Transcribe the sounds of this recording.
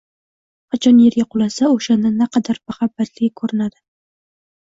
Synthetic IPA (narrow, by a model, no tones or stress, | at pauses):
qʰɑt͡ʃʰɒnjeɾɡʲaqʰʊlˠasaoʃand̪anaqʰɑd̪aɾmaχabːat̪lɪɡʲkʰɵɾɪnad̪ɪ